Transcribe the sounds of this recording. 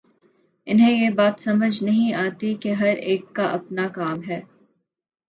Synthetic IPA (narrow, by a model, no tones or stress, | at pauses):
ɪnɦẽjeːbaːt̪sɐməd͡ʒnɐɦĩaːt̪ikeɦɐɾeːkːaʔɐpnaːkaːmɦɛː